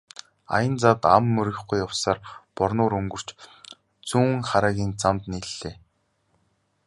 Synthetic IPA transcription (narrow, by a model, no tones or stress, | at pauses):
a̰jə̆nt͡sat̪a̰mːɵɾɪ̆χɡujːawsaːrpɔrnʊːɾɵŋɡɵ̆r̥t͡ɕ | t͡suːŋχaɾaːɣʲiːnt͡samt̪niɮːeː